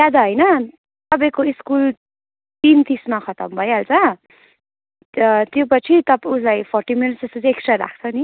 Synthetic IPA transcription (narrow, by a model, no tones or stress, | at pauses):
jad̪aɦʌjnʌ | t̪ʌpaj̃koiskul | t̪int̪ismakʰʌt̪ʌ̰mbʱʌjalt͡sʰʌ | t̪jopʌt͡sʰit̪ʌpuslajpʰorʈiminsest̪ʌt͡sʰeksʈraɾa̰kʰt͡sʰʌni